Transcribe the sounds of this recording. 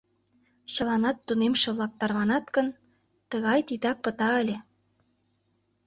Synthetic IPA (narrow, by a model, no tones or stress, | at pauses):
t͡ɕɤ̆lɑnɑt̪ːunemʃĕβlɑk̚t̪ɑrβɑnɑt̪kə̆n | t̪əɣɑjt̪it̪ɑk̚pə̆t̪ɑəlʲe